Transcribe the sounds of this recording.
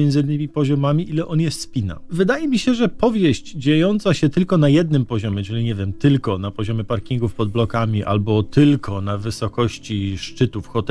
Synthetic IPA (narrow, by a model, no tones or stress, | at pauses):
ɛnd̪zɨinːɘmʲipɔʑɔmamʲiʔilɛʔɔnjɛspʲina̰vɘd̪ajɛmʲiɕɛʐɛpɔvʲjeʑd͡ʑd͡ʑejɔnt̪saɕɛt̪ɘlkɔnajɛd̪̚nɘmpɔʑɔmʲjɛt͡ʂɘlʲiɲɛvʲjɛmt̪ɘlkɔnapɔʑɔmʲɛpaɾkʲiŋɡufpɔd̪̚blɔkamʲiʔa̰lbɔt̪ɘlkʰɔnavɘsɔkɔɕt͡ɕiʂt͡ʂɘt̪ufxɔt̪